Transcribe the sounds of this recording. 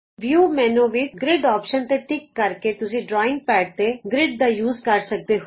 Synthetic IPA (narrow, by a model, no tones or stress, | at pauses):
ʋjuːmɛ̃ːnõːʋɪt͡ʃɡɾɪɖɔːpʃənt̪eːʈɪkːəɾkeːt̪ʊsĩːɖɾɔːɪ̃ŋɡ̚pɛːʈ̚t̪eːɡɾɪɖ̚d̪aːjuːzkəɾsək̚d̪eːɦ